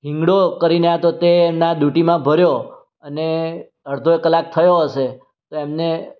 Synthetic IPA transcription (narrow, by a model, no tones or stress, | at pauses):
ɦɪ̃ŋɡɽokəɾinəɦat̪ot̪eːmnad̪uʈimãbʱəɾjo | əne | əɽd̪ʱoekəlːak̚t̪ʰəjoɦəʃe | t̪oemne